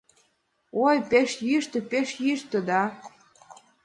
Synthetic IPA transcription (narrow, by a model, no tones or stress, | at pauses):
ojpeʃjyʃt̪ə̆peʃjyʃt̪ə̆d̪ɑ